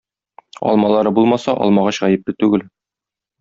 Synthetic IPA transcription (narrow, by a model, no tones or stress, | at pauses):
ɒ̰lˠmɑlˠɑɾɤbulˠmɑsɑʔɒ̰lˠmɑʁɑɕʁæjɘ̆p̚lɘt̪ʉɡɘl